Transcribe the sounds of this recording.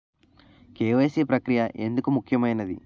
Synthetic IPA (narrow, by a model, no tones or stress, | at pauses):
keːʋeːsipɾɐkɾijɐʔe̞nd̪ukumukʰːjɐmɐjnɐd̪ḭ